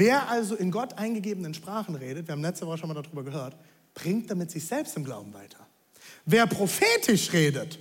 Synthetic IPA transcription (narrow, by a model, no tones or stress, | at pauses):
veːɐʔalzoɪnɡɔtʔaɪnɡəɡeːbənənʃpʁ̥aːχn̩ʁeːɾətviːɐabm̩lɛt͡stəvɔχəʃonmaldadʁyːbɐɡəɦøːɐt | b̥ʁɪŋtd̥amɪtz̥ɪçz̥ɛlpstɪmɡla̰ʊbm̩va̰ɪtʰɐ̥ | veːɐpʁ̥ofeːtʰɪʃʁeːdət